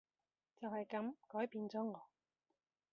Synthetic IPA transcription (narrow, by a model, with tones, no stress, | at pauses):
t͡sɐ˨whɐ˨jkɐ˨˥mkɔː˨˥jpiː˨˧nt͡sɔː˨˥ŋɔː˨˧˥